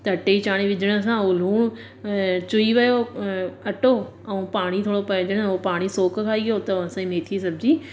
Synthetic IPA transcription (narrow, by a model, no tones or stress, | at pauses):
t̪ɐʈeit͡ɕaːɽ̃iʋɪd͡ʑəɽ̃ʊ̆s̬ãol̤uːɽ̃ʊ | t͡ɕʊiʋɐjoɐʈo | ɛ̃ũpaːɽ̃it̪ʰoːɽopɐ̃ɪ̃d͡ʑəɽ̃opaːɽ̃isoːkkʰaːiʋijot̪ɐɐsãimeːt̪ʰis̬ɐb̚d͡ʑiː